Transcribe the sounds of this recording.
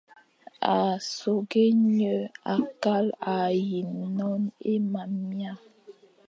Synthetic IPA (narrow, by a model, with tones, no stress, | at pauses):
a˨so˨ɡe˦ɲə˨a˨ka˦la˨ji˨nnɔ˦ne˦ma˨mja˦